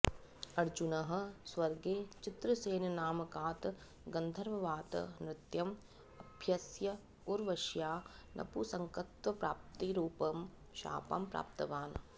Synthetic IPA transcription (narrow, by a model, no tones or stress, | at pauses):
ɐɾd͡ʒunɐɦɐ̆sʋɐɾɡeːt͡ʃɪt̪ɾɐseːnɐnaːmɐkaːt̪ | ɡɐnd̪ʱɐɾʋɐʋaːt̪nɾɪt̪jɐm | ɐbʱjɐsjɐ | oɾʋɐʃjaːnʔɐ̰pusɐŋkɐt̪ʋɐpɾaːp̚t̪iɾuːpɐm | ʃa̰ːpa̰mpɾa̰ːpt̪ɐʋaːn